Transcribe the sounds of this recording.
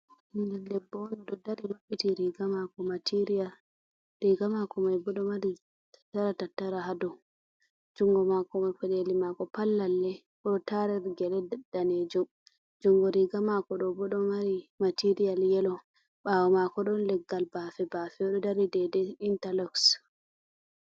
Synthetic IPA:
indɛdɛbːɔwɔnɔɗɔdaɾinoɓːitiɾiɡamakɔmatʰiɾijal | ɾiɡamakɔmajbɔɗɔmaɾi | tḁtːaɾatatːaɾaɦadɔ | d͡ʒuŋɡɔmakɔmakɛɗelimakɔpalːalːɛ | kɔtaɾɛɾɡɛlɛddaneːd͡ʒum | d͡ʒuŋɡɔɾiɡamakɔɗɔbɔɗɔmaɾimatiɾijaljɛlɔ | ɓawɔmakɔɗɔnlɛɡːalbafɛbafɛɔɗɔdaɾidɛdɛintalɔks

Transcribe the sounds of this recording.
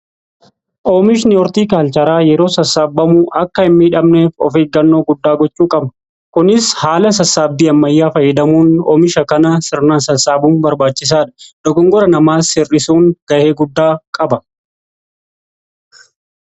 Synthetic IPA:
ʔoːmɪʃ̬nɪɔɾt̪iːkaːlt͡ʃɐɾaːjɛɾo̞ːsɐsːaːbːɐmʊʔɐkːɐɪmːiːᶑɐmneːfɔ̰feːɡɐnːoːɡʊd̪ːaːɡɔt͡ʃʼːuːkʼɐb | kʊnɪshaːlɐs̬ɐsːaːbːiːɐmːɐjːaːfɐjːɪd̪ɐmuːno̰ːmɪʃɐkɐnɐsɪɾnaːnsɐsaːbuːnbɐɾbaːt͡ʃːɪs̬aːᶑɐ̥d̪̥ɔɡɔŋɡɔɾɐnɐmaːsɪrːɪsuːŋɡ̥ɐʔeːɡʊd̪ːaːkʼɐbɐ

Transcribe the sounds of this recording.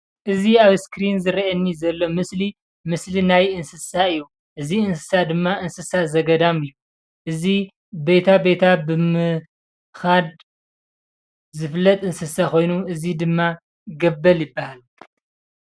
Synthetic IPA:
ʔɨziaβskɾinzɨɾiɐnːizɐlːo̞mɨsli | mɨslinajɨnsɨsaɨjːu | ʔɨziɨnsɨ̥sad̪ɨmːaʔɨnsɨsazɐɡɐd̪amɨjːu | ʔɨzi | be̞t̪ʰabe̞t̪ʰabɨmɨ | xad̪ | zɨflːɐt̪ʼɨnsɨsakʰo̞jnuɨzid̪ɨmːa | ɡɐbːɐljɪbːahal

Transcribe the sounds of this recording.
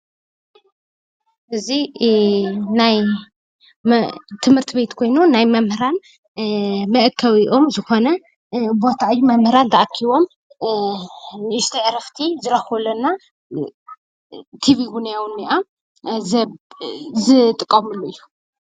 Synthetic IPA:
ʔɨzi | naj | t̪ʰɨmhɨɾt̪ʰɨβe̞t̪kʰo̞jnunajmɐmhɨɾan | mɐʔkʰːɐwiʔo̞mzɨxo̞nɐ | bo̞t̪ʰaɨjːumɐmhɨɾand̪ɐʔakʰːiβo̞m | nʔɨst̪ʰɐʔɾɐft̪ʰizɨɾɐxolɐnːa | t̪ʰiβiɡunijawnːiʔa | zɨt̪ʼɨkʼːɐmɨlːuɨjːu̥

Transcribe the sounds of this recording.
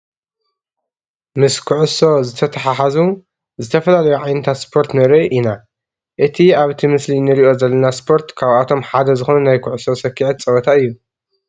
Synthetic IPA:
mɨskʰʊʕʊso̞zɨt̪ʰɐt̪ʰɐħaħazu | zɨt̪ʰɐfɐlalɐjuʕajnɨt̪ʰat̪spʰo̞ɾt̪nɨɾɐjʔina | ʔɨt̪ʰiaβt̪ʰimɨslinɨɾiʔo̞zɐlːɐnaspʰo̞ɾt̪kʰaβat̪ʰo̞mħad̪ɐzɨxonunajkʰʊʕʊso̞sɐkʰːiʕɨt̪t͡sʼɐwɐt̪ʰaɨjːu

